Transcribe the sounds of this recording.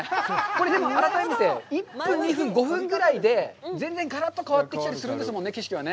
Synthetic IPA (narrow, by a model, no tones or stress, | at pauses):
ko̞ɾe̞d̪e̞mo̞aɾat̪aemet̪e̞ipːɯ̃ɲɲiɸɯ̟̃ŋɡo̞ɸɯ̟̃ŋɡɯ̟ɾaid̪e̞d͡zẽ̞nd͡zẽ̞ŋɡaɾat̪ːo̞kaβat̪ːe̞kʲi̥t̪aɾisɨɾɯ̃nd̪e̞sɨmonːeke̞ɕ̬kʲiβane̞